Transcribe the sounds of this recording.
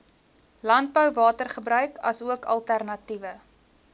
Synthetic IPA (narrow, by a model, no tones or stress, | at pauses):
lɐnt̚bəwvɑːtərχəbɾœɥkʰɐsuəkɐ̰lˠtærnɐtivə